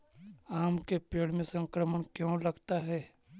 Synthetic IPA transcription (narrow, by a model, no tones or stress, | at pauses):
aːmkepeːɽmẽsə̃ŋkɾəməɳkjõlɐɡt̪aɦɛː